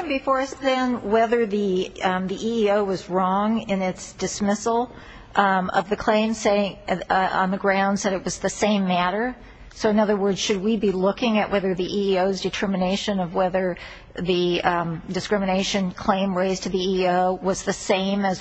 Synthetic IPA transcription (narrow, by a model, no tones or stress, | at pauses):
nbɨfɔɹʌsðɨ̃nwɛðə˞ðiðiʔiːoʊwʌzɹɔ̃ŋɪ̃nɪtsd̥ɨsmɪsl̩ˠ | ʌ̰vðɨkʰl̥ẽɪ̃mseɪɪ̃ŋə̰̃nðɨɡɹãʊ̃nd̥sɛɾɨt̚wʌzðɨsẽɪ̃mːæɾə˞ | soʊɨ̃nʌðə˞wɜ˞dz̥ʃɨd̚wibilʊkɪ̃ŋɨʔwʔɛðə˞ðiʔiːoʊzdɨtʰɜ˞mɨneɪʃɨ̃nʌvwɛðə˞ | ðɨdɨskɹ̥ɪmɨneɪʃɨ̃nkʰl̥ẽɪ̃mɹeɪz̥tʰɨðiioʊwʌzðɨsẽɪ̃mɨz